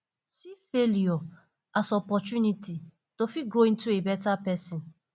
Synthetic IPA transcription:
sifeljɔ | asɔpɔt͡ʃuniti | tofiɡɹoĩntuebɛtapɛsĩn

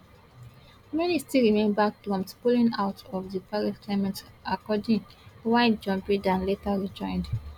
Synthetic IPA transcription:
mɛnistiɹimẽnbak̚pɹɔ̃mtpulĩŋaʊtʰɔvðəpaɹisklemɛ̃ntakɔdĩŋwaɪtd͡ʒɔ̃mbɹidãnletaɹid͡ʒɔ̃ɪ̃nd

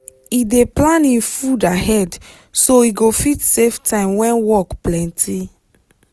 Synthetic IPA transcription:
ideplãnĩfudaɦɛd | soiɡofitseftãɪ̃mwɛ̃nwɔkplɛ̃ntʰi

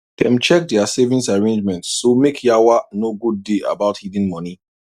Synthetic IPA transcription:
d̥ɛ̃mt͡ʃɛk̚dɛasevĩnsaɹẽnd͡ʒmɛ̃ntːomekʰjawanoɡud̚ːeʔa̰baʊthidĩnmɔni

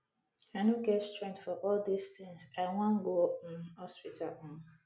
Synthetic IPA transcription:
aɪnoɡɛtstɹɛ̃ŋtfɔʔɔldistɪ̃ŋsaɪwãnɡon̩hɔspitʰalan

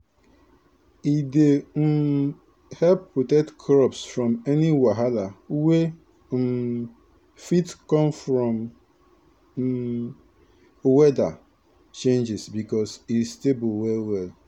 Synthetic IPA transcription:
idem̩ | hɛlpːutetkʰɾɔpsfɾɔ̃mɛniwaɦalawe | fitkɔ̃mfɾɔ̃m | wɛda | t͡ʃẽnd͡ʒɪsbikɔsistebuwɛlwɛl

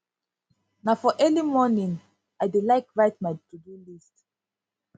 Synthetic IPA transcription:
nafɔʔɛlimɔnĩŋ | ajdilaɪkɹaɪt̚majtudulist

